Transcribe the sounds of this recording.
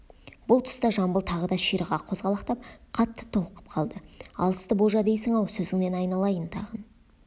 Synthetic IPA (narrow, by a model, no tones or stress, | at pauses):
bʊlˠt̪ʰʊ̥st̪ɑʒɑmbəlˠt̪ʰɑʁəd̪ɑʃijɾəʁɑqʰozʁɑlˠɑqt̪ɑp̚qʰɑt̪ːə̥t̪ʰolˠəqə̥p̚qʰɑlˠd̪əɑ̰lˠəst̪əboʒɑd̪e̞jsɪŋɑwsɵzɪŋne̞nɑjnɑlˠɑjənt̪ʰɑ̰ʁən